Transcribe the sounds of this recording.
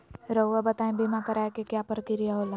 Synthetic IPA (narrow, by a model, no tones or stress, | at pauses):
ɾəwabɐt̪aːẽbimãkɐɾaːekekjaːpəɾəkɪɾijaɦoːlaː